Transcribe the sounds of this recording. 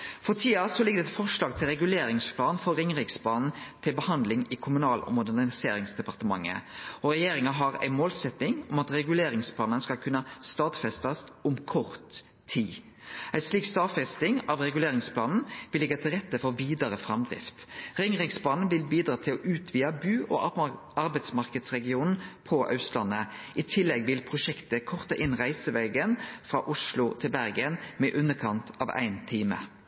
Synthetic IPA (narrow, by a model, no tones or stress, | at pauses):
fɔʁt̪ʰiːɑsɔlɪɡəd̪ɛt̪fɔʂlɑːɡ̚t̪ʰɪlɾɛɡʉleːɾɪŋspʰlɑːnfɔʁɪŋʁɪksp̪ʰɑːnn̩t̪ʰɪlbəhɑnd̪lɪŋɪkʰʊmʉnɑːlɔ̰mʊd̪ænɪseːɾɪŋsd̪ɛpɑʁt̪əmɑ̰ŋːə̰ɔɾɛjeːɾɪŋɑɦɑɾæ̰ɪmoːlsɛt̪nɪŋɔmɑt̪ɾɛɡʉleːɾɪŋspʰlɑːnənskɑlkʰʉnːəst̪ɑːd̪fɛst̪ɑst̪ʊmkʰɔʁt̪ʰː | iː | æɪsliːkst̪ɑːd̪fɛst̪ɪŋɑʋɾɛɡʉleːɾɪŋspʰlɑːnn̩ʋɪlɪɡɑt̪ʰɪlʁɛt̪ːəfɔʁʋiːd̪əɾəfʁɑmd̪ʁɪ̰ft̪ʁɪŋʁɪɡspʰlɑːn̩ʋɪlbiːd̪ʁɑːt̪ʰɪlɔʔʉːt̪ʰʋiːɑbʉːʔɔ̰ | ɑʁbæɪt̪smɑʁkəd̪sʁɛɡɪuːnn̩pʰɔʔɑ̰ʉslɑnəʔɪt̪ʰɪlːɛɡʋɪlpʰʁʊʃɛkt̪əkʰɔʁt̪ɑʔɪnʁæɪsəʋeːɡənfɾɑʔʊʂlʊt̪ʰɪlbæʁɡənmɛʔʉnːəkʰɑnt̪ʰɑːʋæ̰ɪnt̪ʰiːmə̰